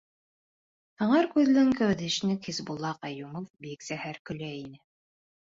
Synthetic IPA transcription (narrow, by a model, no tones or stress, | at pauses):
hɤ̆ɴɑɾkʉðlɘŋkæwd̪iʃnɘkizbulˠːɑqɑjumofbiksæhæɾkɵ̆læinɘ